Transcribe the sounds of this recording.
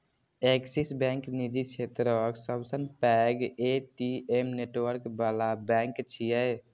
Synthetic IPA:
eksisbɛ̃ŋknid͡ʒit͡ʃʰet̪ɾəksəbsənpɛɡeʈiemneʈwəɾkbalabɛ̃ŋkt͡ʃʰijɛj

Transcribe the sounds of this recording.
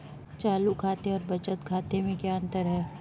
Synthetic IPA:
t͡ʃaːlukʰaːt̪eɔːɾbɐt͡ʃət̪kʰaːt̪emẽkjaːə̃nt̪əɾɦɛː

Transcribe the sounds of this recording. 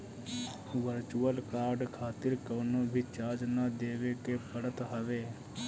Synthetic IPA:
ʋəɾt͡ʃuːəlkaːɾɖkʰaːt̪ɪɾkəːnõːbʱit͡ʃaːd͡ʒnad̪eːʋeːkeːpəɽət̪ɦəʋeː

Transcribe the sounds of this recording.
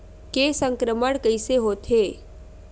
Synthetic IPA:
kesə̃ŋkɾəməɽ̃kəiseɦoːt̪ʰɦeː

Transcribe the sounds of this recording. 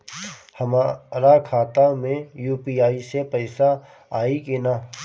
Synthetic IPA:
hɐmaɾakʰaːt̪amẽjuːpiːaːisepɛɪsa | aːikina

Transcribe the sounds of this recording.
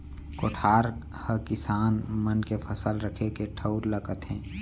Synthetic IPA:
koːʈʰaːɾ | həkɪsaːnmənkepʰəsəlɾəkʰekeʈʰəʊɾləkət̪ɦɛ̃ː

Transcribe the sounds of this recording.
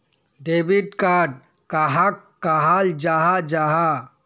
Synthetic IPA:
ɖebiʈkaɖ | kaɦakːaɦald͡ʒaɦad͡ʒaɦa

